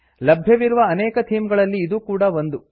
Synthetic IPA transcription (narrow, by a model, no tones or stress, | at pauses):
lɐbʱjɐʋiɾuʋɐːnɛːkɐt̪ʰiːmɡɐɭɐlːiːd̪uːkuːɽɐʋond̪u